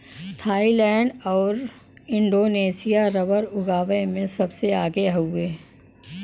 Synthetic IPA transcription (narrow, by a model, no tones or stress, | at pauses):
t̪ʰaːilɛ̃ːɳɖɔːɾ | ɪ̃ɳɖoːneːsijaɾɐbəɾʊɡaːʋəjmẽsɐbseaːɡeɦʊweː